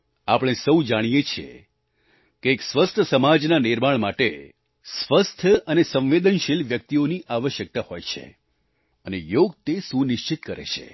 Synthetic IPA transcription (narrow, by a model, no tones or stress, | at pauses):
apɽ̃esəwd͡ʒaɽ̃ijet͡ʃʰiḛ | keːksʋəst̪ʰəsəmad͡ʒnanɪɾmaɳmaʈe | sʋəst̪ʰjəənesə̃ʋed̪ənʃilʋjək̚t̪ioniʔaʋəʃjək̚t̪ahojt͡ʃʰḛ | ənejoɡ̚t̪esũnɪʃt͡ʃit̪kəɾḛt͡ʃʰḛ